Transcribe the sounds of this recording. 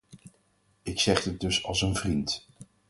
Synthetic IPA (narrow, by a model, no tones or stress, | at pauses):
ɪksɛχət̚dɵsɑ̰lˠsənvrint